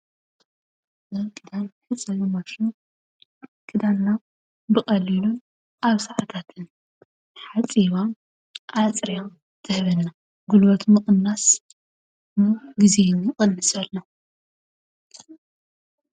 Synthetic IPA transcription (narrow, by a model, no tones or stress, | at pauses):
zɐβkʰʼɨd̪anħɨt͡sʼːɐlɐmɐʃu | kʰɨd̪anːa | bɨkʼɐlːilun | ʔaβsɐʕat̪ʰat̪ʰɨn | ħat͡sʼiβa | ʔat͡sʼɾija | t̪ʰɨhβɐnːa | ɡulbɐt̪ʰmɨχʼɨnːas | mɨɡizenixʼɨnːɨsalːo